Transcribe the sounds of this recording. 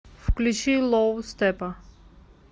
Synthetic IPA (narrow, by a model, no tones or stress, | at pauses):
fklʲut͡ɕilˠɔwst̪ɛpɐ